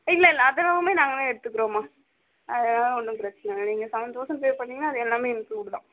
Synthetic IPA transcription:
ɪlːɐɪlːɐːðɐlɐʋɐmeːnaːŋɡɐlãːɛɽɯt̪ːɯkːɯɾõːmaː | ɐðɐnaːlɔɳːɯpɪɾɐt͡ʃːɐnɐniːŋɡɐsɐʋɐnd̪oːʂɐmpeːɾpɐɳːɪŋɡɐnːaːɐðɯɛlːaːmeːɪnkluːɽɽõ̰ː

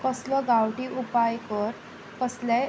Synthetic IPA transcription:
kəslɔɡawʈiʔupajkəɾ | kəslɛ

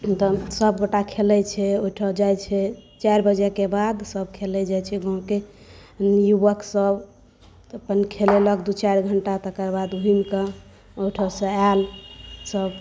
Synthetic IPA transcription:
t̪ɔsəbɡoʈakʰelɛt͡ʃʰɛoiʈʰəd͡ʒajt͡ʃʰɛt͡ʃaɾbəd͡ʒekebad̪səb̚kʰelɛd͡ʒajt͡ʃʰɛɡoɦõke | juʋəksəb | əpənkʰeleləkd̪ut͡ʃaɾɡʱəɳʈat̪əkəɾbad̪ɦuinkə | ojʈʰəsə̃alsəb

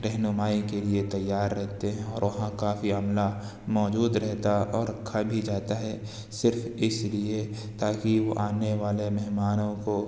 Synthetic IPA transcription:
ɾɛɦnʊmaːikeliet̪ɐjːaːɾːɛɦt̪eɦɛ̃ɔːɾʋɐɦãkaːfiɐmla | mɔːd͡ʒuːd̪ɾɛɦt̪aɔːɾkʰabʱid͡ʒaːt̪aɦɛ | sɪɾfɪslie | t̪aːkiʋoʔaːneʋaːlemɛɦmaːnõko

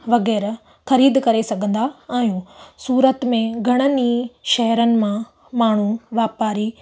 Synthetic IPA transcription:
ʋɐɣɛːɾ | xɐɾiːd̪kɐɾesɐɡʱə̃nd̪aaːɦijũsuːɾət̪mẽɡʱɐɽ̃əniʃɐɦɾənɪ̆mã | maːɳ̤uʋaːpaːɾi

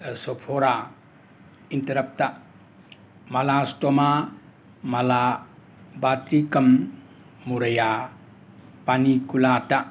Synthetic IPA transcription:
sɔpʰɔɾa | intɐɾɐp̚ta | malastɔma | mɐla | batikɐmː | uɾɐja | panikulata

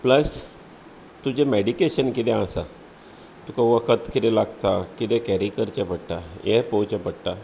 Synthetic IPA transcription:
pləs | t̪ud͡ʑemeɽikeɕənkit̪ɛ̃asa | t̪ukaʋəkʰət̪kit̪ɛlaɡt̪akit̪ẽkɛɾikəɾt͡ɕepəɽʈ̪ajepot͡ɕepəɽʈ̪a

